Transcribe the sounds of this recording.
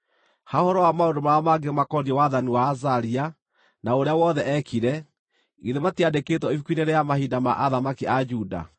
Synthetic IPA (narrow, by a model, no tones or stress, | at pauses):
haohɔɾɔwamaondomaamaɡemakɔdiewaðaniwaːzaɾia | naoɾeawɔðɛɛkʰiɾɛ | iðematiadeketwɔifukwineɾejamahidama̰ʔaðamakiad͡ʒuːda̰